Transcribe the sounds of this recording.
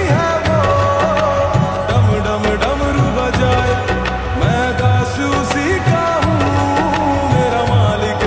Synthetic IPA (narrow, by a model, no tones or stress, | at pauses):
ɦɛːbo | ɖɐmɖɐmɖɐmɾubad͡ʒaːe | mɛ̃ːd̪aːsu | sikaːɦũː | meːɾaːmaːlɪk